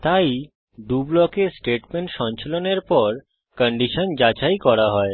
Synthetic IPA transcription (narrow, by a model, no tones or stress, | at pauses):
t̪aj | d̪ublɔkesʈeʈmeɳʈʃɔnt͡ɕʰoloneɾpɔɾ | kəɳɖiʃond͡ʑat͡ɕajkɔɾaɦɔe